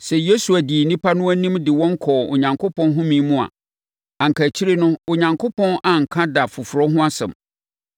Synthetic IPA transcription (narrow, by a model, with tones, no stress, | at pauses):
sɛ˨je˦su˨æ˨di˨nĩ˦pa˦nʊ̃˦æ˦nĩ˦mdɪ˨wɔ̃˦ŋ̩˦kʰɔː˨o̰˨ɲã˨ŋkʰo˦pʰɔ̃˦nɦʊ̃˦mĩ˦mũ˦a̰˨ | ã˨ŋ̩˨kʰæ˨t͡ɕʰi˦ɾe˦nʊ̃˦o˨ɲã˨ŋkʰo˦pʰɔ̃˦na˨ŋ̩˨kʰa˦da˨fʊ˨fʊ˨ɾɔ˦ɦʊ̃˦a˦sɛ̰̃˨m